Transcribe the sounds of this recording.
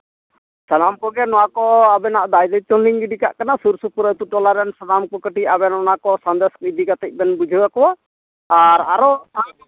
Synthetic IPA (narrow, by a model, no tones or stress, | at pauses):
sanamkɔɡɛnɔwakɔabɛnaʔd̪ajd̪əjt͡ʃɔnliŋɡiɖika̰ʔkanasuɾsupuɾət̪uʈɔlaɾɛnsanamkɔkəʈiaβɛnɔnakɔsand̪ɛskɔid̪ikat̪ɛc̚ˀbɛnbud͡ʒʱəwakɔwaː | ɾa̰ɾɔa